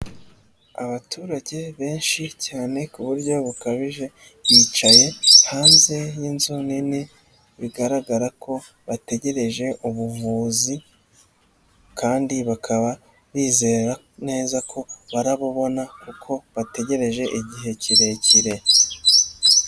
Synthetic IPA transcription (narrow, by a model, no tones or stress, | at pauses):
aβatʰuːɾaɟe̞βe̞ːnʃicaːne̞kuβuɾɟo̞βukaβiʒe | βiːt͡ʃaje̞haːnze̞jinzunine | βiɡaɾaɡaɾako̞ | βate̞ɟe̞ɾe̞ʒe̞ʔuβuvuːzi | kaːndiβakʰaβa | βiːze̞ːɾa | ne̞ːzakʰo̞βaɾaβoβo̞nakukʰo̞βate̞ɟe̞ɾe̞ʒe̞ʔiɟiɦe̞ciɾe̞ciɾe̞